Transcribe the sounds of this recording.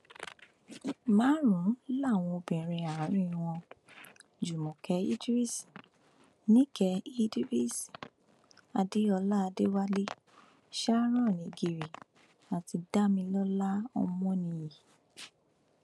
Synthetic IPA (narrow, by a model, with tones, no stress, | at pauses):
mã˨˦ɾũ˨˦la˦˨w̃ɔ̃˧o˧bĩ˨ɾ̃ĩ˧a˨ã˨˦ɾ̃ĩ˦˨˧w̃ɔ̃˧ | d͡ʒu˨mɔ̃˨kɛ˨˦ḭ˦di˦ɾi˦si̥˨ | nĩ˦kɛ˧i˦di˦ɾi˦˨si˨ | a˧de˦ɔ˧la˦a˧de˦wa˦le˦ | ʃa˦ɾ̃ɔ̃˦˨nĩ˨˦ɡi˨ɾi˨ | a˨ti˧da˦mĩ˧lɔ˦la˦ɔ̰˧mɔ̃˦nĩ˧ji˨